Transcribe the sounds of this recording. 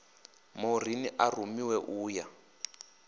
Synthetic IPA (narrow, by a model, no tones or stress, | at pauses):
mor̤iniʔarumiwɛʔuːja